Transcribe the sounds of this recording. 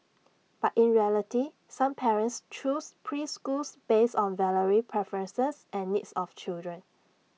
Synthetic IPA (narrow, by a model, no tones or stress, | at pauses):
b̥atĩnɹiɛliti | sãmpʰɛɹə̃ntst͡ʃuspʰɹiskulsb̥esɔ̃nvɛləɹipʰɹɛfəɹə̃nsəsʔɛ̃nːitsɔft͡ʃildɹə̃n